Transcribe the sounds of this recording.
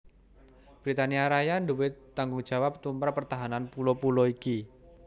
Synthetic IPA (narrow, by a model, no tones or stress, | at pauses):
b̥ɾit̪aniaɾajanduwɪt̪ːaŋɡʊŋd͡ʒ̥a̤wap̚t̪umpaɾpərt̪aɦananpulɔpulɔiki